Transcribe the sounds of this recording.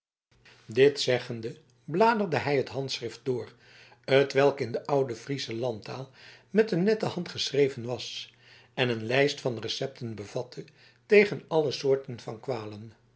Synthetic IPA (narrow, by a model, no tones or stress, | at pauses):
dɪtsɛχəndə | blaːdərdəɦɛjɦətɦɑntsrɪft̚d̥ʊːr | ətʋɛlˠkɪndəʔʌwdəfrizəlɑntaːlˠmɛtənːɛtəɦɑntχəsrejvənʋɑs | ɛnənlɛjstfɑnrəsɛp̚tʰənbəv̥ɑtʰə | tejχənɑləsʊːɹtənvɑnkʋaːlən